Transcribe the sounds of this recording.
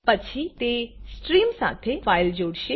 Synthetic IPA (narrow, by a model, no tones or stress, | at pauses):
pət͡ʃʰit̪esʈɾiːmsa̰ːt̪ʰefaːɪld͡ʒoːɽʃe